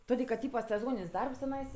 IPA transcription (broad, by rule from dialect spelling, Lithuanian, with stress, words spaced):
ˈtoːdʲeː kɐt ˈtʲiːpɐ sʲɛˈzoːnʲɪnʲsʲ ˈdɐrps tʲɪˈnɐɪs